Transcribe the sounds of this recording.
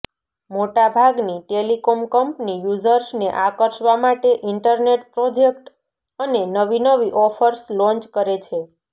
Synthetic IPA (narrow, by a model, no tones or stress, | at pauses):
moʈabʱaɡniʈelikomkəmpnijud͡ʒəɾsneʔakəɾʃʋamaʈeʔiɳʈəɾneʈpɾod͡ʒek̚ʈ | ənenəʋinəʋiʔɔfʰəɾslɔ̃nt͡ʃkəɾet͡ʃʰe